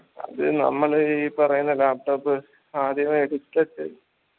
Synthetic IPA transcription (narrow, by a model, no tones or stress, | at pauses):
ɐ̰ðɨnɐ̰mːɐɭipɐrɐjunːɐlːaːp̚ʈoːpːɨ | saːd̪ʱjɐmɐeɽit͡ɕːlɐt͡ɕːḛɾ